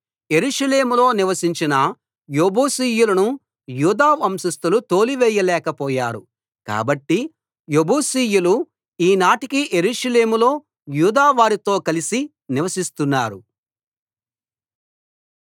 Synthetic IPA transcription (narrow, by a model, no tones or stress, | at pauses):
je̞ɾuʂɐle̞ːmulo̞ːniʋɐsiɲt͡ʃinɐ | jobuːsiːjulɐnu | juːd̪aːʋɐmsɐst̪ulut̪oːliʋɛːjːɐlɛːkɐpɔːja̰ːɾu | ka̰ːbɐʈːi | joboːsiːjulu | iːnaːʈikiʔe̞ɾuːʂɐle̞ːmulo̞ː | juːd̪aːʋaːɾit̪o̞ːkɐlisi | niʋɐsist̪unːaːɾu